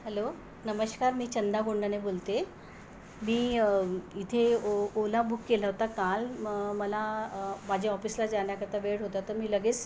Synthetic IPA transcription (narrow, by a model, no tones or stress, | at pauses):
hɛlo | nəməɕkaɾmiːt͡ɕənd̪ʱaɡoɳɖənebolt̪e | miː | it̪ʰeolabukːelaɦot̪akalməlamad͡ʑʱeɔfiːslad͡zaɳjakəɾt̪ʰaʋeɽɦot̪at̪əɾmiːləɡeːt͡s